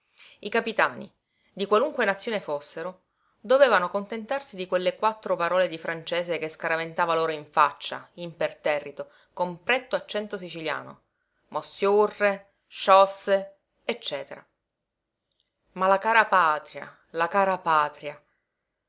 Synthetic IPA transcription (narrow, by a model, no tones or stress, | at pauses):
ikapit̪aːnḭ | d̪ikwaluŋkwenat̪sːjoːnefosːeɾo | d̪oveːvanokont̪ent̪arsid̪ikwelːekwat̪ːɾopaɾɔːled̪ifɾant͡ʃeːsekeskaɾavent̪aːvaloːɾoiɱfat͡ʃːa̰impert̪ɛrːit̪o | kompɾɛt̪ːoat͡ʃːɛnt̪os̬it͡ʃilja̰ːno̰ | mosjurːe | ʃɔsːe | et͡ʃːɛːt̪eɾa̰ | malakaːɾapaːt̪ɾja̰ | lakaːɾapaːt̪ɾja